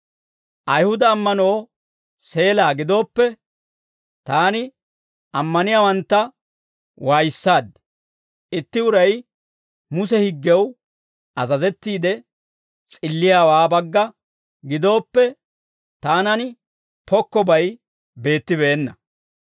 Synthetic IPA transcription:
ʔɐjhʊd̪ɐːmːɐnoː | se̞ːlaːɡɪd̪o̞ːpːɛ | t̪aːnɪ | ɐmːɐnɪjaːwɐnt̪ːɐ | waːjɪsːaːd̪ɛ | ɪt̪ːɪʊɾɐj | mʊsɛhɪɡːɛw | ʔɐzɐzɛt̪ːiːd̪ɛ | t͡sʼɪlːɪjaːwaːbɐɡːɐ | ɡɪd̪o̞ːpːɛ | t̪aːnɐnɪ | pɔkːɔbɐj | be̞ːt̪ːɪbeːnːɐ̰

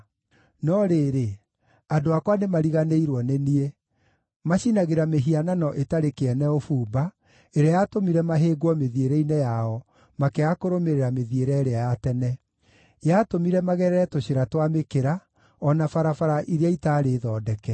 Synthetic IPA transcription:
nɔɾeːɾe | adoakwanemaɾiɣaneiɾwɔnenie | maɕinaɣeɾameɦiananɔʔetaɾekeɛnɛofuːba | eɾeajatomiɾɛmaɦeːɡwɔmeðieɾeinɛjaɔ | makeakoɾomeɾeɾameðieɾɛɾeajatɛnɛ | jatomiɾɛmaɣɛɾɛɾɛtoɕeɾatwamekeɾa | ɔnafaɾafaɾaʔiɾejaitaːɾeðɔːdɛkɛ

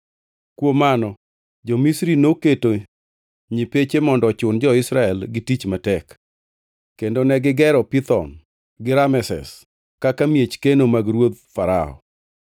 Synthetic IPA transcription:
kwomanɔ | d͡ʒɔmisɾinoketo | ɲipet͡ʃemɔndɔt͡ʃʊnd͡ʒɔɪsɾaɛlɡɪtit͡ʃmatɛk | kːendonɛɡɪɡɛɾɔpit̪ɔ̰n | ɡɪɾamɛsɛ̰s | kakamjet͡ʃkenomaɡɾwot̪̚faɾa̰ɔ̰

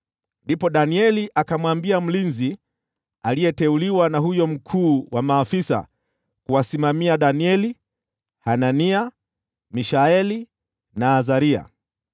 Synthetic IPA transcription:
ndipɔɗaniɛliʔakamwambiam̩linzi | alijɛtɛuliwanaɦujɔm̩kʰuːwamaːfisa̰ | kuwasimamiaɗaniɛli | hanania | miʃaɛli | naːzaɾia̰

